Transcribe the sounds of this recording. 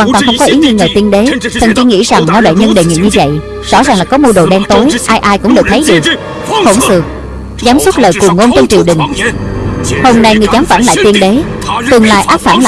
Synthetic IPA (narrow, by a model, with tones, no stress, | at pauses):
waː˧nt̪wa˧ŋxə˧wŋ͡mkɔ˨˦ʔi˨˦wɲɨ˧ŋəː˨˩jt̪i˧nɗe˨˦t̪ʰə˨˩nt͡ɕi˧ŋḭ˧˥za˨˩ŋna˧wɗa̰˧˨jɲə˧nɗe˨˩ŋḭ˧˨ɲɨ˧və̰˧˨j | z̥ɔ̰˧˥zaː˨˩ŋlaː˨˩kɔ˨˦mu˧ɗo˨˩ɗɛː˧ŋt̪o˨˦jʔaː˧jʔaː˧jkʊ̰˧˥ŋ͡mɗəː˨˩t̪ʰə˨˦jɗɨ˨˩ək̚ | ho˧˩nsɨ̰˨˩ək̚ | zaː˨˦mswə˦˥t̚ləː˨˩jku˨˩əŋːo˧nt͡ɕɔ˧ŋ͡mt͡ɕi˨˩əwɗɨ̈˨˩ŋ̟ | ho˧mna˧jŋɨ˨˩əjzaː˨˦mfaː˧˩nla̰ː˧˨jt̪i˧ənɗe˨˦t̪ɨ˨˩əŋla̰ː˧˨jʔaː˦˥p̚faː˧˩nla̰ː˨